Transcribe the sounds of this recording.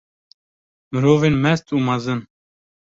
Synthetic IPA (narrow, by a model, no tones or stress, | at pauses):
məɾoːvenmɛst̪uːmɑzɨn